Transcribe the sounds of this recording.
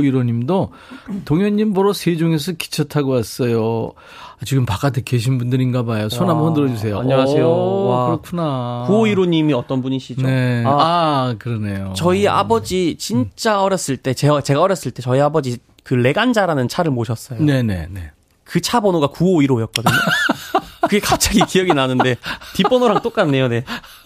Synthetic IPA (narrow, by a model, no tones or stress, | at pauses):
iɾoɲimdo | toŋjʌɲːimbʌɾosʰed͡ʑoŋes̬ʰʌki̥t͡ɕʰʌtʰaɡoas͈ʌjo | at͡ɕiɡɯmpak͈at̬ʰekeɕ̬ʰinbundɯɾinɡabajosʰonɦambʌndɯɾʌd͡ʑus̬ʰe̞joaɲʌaejoakɾʌkʰunakuoiɾoɲimiʌt͈ʌnbuɲiɕʰid͡ʑneaakɯɾʌne̞jot͡ɕʌia̰bʌd͡ʑit͡ɕint͡ɕ͈aʌɾjʌs͈ɯɭt͈e̞t͡ɕeat͡ɕe̞ɡaʌɾjʌs͈ɯɭt͈e̞t͡ɕʌiabʌd͡ʑi | kɯle̞ɡand͡ʑaɾanɯnt͡ɕʰaɾɯɭmoɕʰʌs͈ʌjone̞ne̞̰ne̞ | kɯt͡ɕʰabʌnoɡakuoiɾojʌk̚k͈ʌdɯɲo | kɯɡe̞kap̚t͡ɕ͈aɡikijʌɡinanɯnde̞pip͈ʌnoɾaŋt͈ok͈anːe̞jone̞